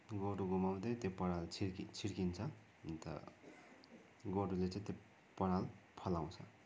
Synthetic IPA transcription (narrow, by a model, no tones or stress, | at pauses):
ɡoɖuɡomamd̪et̪epʌɽalt͡sʰikit͡sʰiɾkint͡sʰʌ | nt̪ʌ̰ | ɡoɖulet͡sãt̪e | pʌɾalpʰʌlaw̃t͡sʰʌ̰